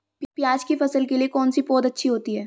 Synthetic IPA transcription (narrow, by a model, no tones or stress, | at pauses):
pjaːd͡ʒkifɐsəlkeliekɔːnsipoːd̪ɐtːʃʰiɦoːt̪iɦɛː